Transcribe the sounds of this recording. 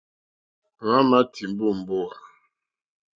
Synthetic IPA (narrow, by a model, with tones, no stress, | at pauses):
ŋa˦ma˦tʰi˨m˦bu˦m̩˨bo˦a˨